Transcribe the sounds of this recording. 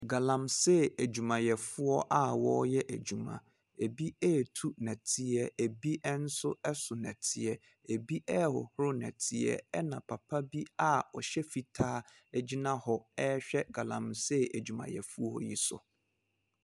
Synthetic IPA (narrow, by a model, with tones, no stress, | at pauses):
ɡa˨lã˨msɛ˦æ˨d͡ʑᶣu˨mã˨jɛ˨fʊ˦ɔ˦ʔa˦wɔ˦jɛ˦ʔæ˨d͡ʑu˨mã̰˨ | e˨bi˦ɛ˦˨tʰu˦nɛ̃˨tʰɪ˦ɛ˦e˨bi˦ʔɛ˦n̩˦sʊ˦ɛ˦sʊ˨nɛ̃˨tʰɪ˦ɛ˦˨ | e˨bi˦ʔɛ˦hɔ̰˨hʊ˦ɾʊ˦nɛ̰̃˨tʰɪ˦ɛ̰˦ɛ˦nã˨pʰa˨pʰa˦bi˦a˦ɔ˨ɕɛ˦fi˨tʰaː˦ | ɛ˨d͡ʑi˦nã˦hɔ˦ɛ˦ɕᶣɛ˦ɡa˨lã̰˨msɛ˦æ˨d͡ʑu˨mã˨jɛ̰˨fu˦ɔ˦hɔ̰˦ji˦sʊ̰˨